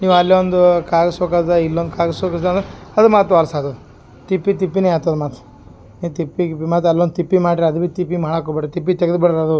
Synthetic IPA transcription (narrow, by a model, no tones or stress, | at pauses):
niːʋɐlːiʋond̪ukaːɡɐsoːkad̪ɐilːond̪ukaːɡɐsoːkɐsd̪and̪ɐd̪umaːt̪ɾuʋaːlsaːt̪ɐd̪u | t̪ipːit̪̬ipːineaːt̪ɐd̪umaːt̪u̥ | niːt̪ipːikipːimaːt̪̬ɐlːond̪t̪ipːimaːʈiɾɐd̪ubit̪ipːimaːɽakːobiʈːet̪ipːit̪ɛɡɐd̪biɽɐɾɐd̪u